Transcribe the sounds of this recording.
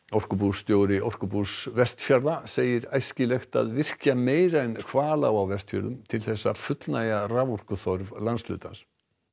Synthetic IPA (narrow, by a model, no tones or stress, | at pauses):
ɔr̥kʏpust̪joːwɾɪʔɔr̥kʏpusvɛr̥t̪fjaɾðaseːjɪɾajscɪlɛxt̪a̰ðvɪr̥cameːjɾajnkʰvaːlawawvɛst̪fjœ̰ɾðʏmt̪ʰɪlθɛsːa̰fʏt̪lnajaravɔr̥kʏθɔɾvlanslʏ̰ːt̪ans